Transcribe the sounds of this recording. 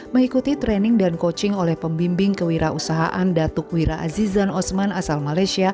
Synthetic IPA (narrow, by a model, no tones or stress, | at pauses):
məŋikut̪it̪ɾɛnɪŋdankot͡ʃɪŋolɛhpəmbimbɪŋkəwiɾaʔusaɦa̰ʔandat̪uk̚wiɾaʔa̰zizanɔsmanasalmalajsia